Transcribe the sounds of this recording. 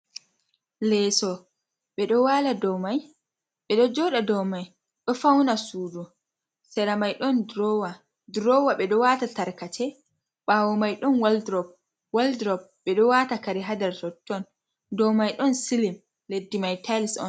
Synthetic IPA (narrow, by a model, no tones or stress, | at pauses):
lɛsɔ | ɓɛɗɔwaladɔmaj | ɓɛɗɔd͡ʒɔɗadɔmaj | ɗɔfawnasuːdu | sɛɾamajɗɔndɾɔwa | dɾɔwaɓɛɗɔwatataɾkatʰɛ | ɓaːwɔmajɗɔnwaldɾɔp̚ | waldɾɔb̚ɓɛɗɔwatakaɾiɦadaɾtɔtːɔn | dɔmajɗɔnsilim | ledːimajtalisɔ̰n